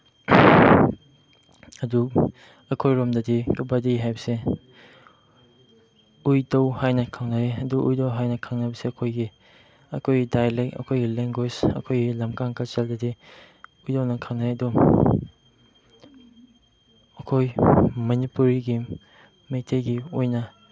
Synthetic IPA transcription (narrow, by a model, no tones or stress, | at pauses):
ɐdu | ɐkʰojɾomdɐdikɐbɐdiɦajbɐse | ujdɐwhajnɐkʰaŋnɐɾeɐduʔṵjdɐwɦajnɐkʰɐŋnɐbɐseɐkʰojɡi | ɐkʰojɡidajlekɐ̰kʰojɡileŋɡwesɐ̰kʰojɡilɐmkaŋkɐseldɐdi | ujdɐwnɐkʰaŋnɐɾeɐdu | ɐkʰojmɐnipuɾiɡi | mejtʰejɡiojnɐ